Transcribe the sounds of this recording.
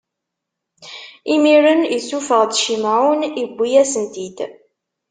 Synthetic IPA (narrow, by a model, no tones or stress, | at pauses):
imiɾəniθufəʁd̪ʃimʕunibʷːijæsənt̪id̪